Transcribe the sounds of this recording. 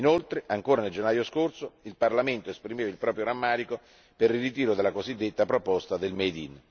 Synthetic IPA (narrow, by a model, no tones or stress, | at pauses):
inolt̪ɾeʔaŋkoːɾaneld͡ʒenːaːjoskorsoilparlament̪oespɾimeːvailpɾɔːpɾjoɾamːaːɾiko | peririt̪iːɾod̪elːakozid̪ːet̪ːapɾopɔst̪ad̪elmed̪ḭn